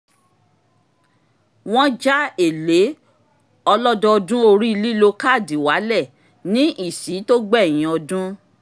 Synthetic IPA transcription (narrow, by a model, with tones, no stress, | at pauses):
w̃ɔ̃˦d͡ʒa˦e˦˨le˨˦ | ɔ˧lɔ˦dɔ˧ɔ˧dũ˦o˧ɾi˦i˧li˦lo˧ka˦˨di˨wa˨˦lɛ˦˨ | nĩ˦ʔi˦˨si˨˦to˦ɡ͡bɛ˦˨j̃ĩ˨˦ɔ˧dũ˦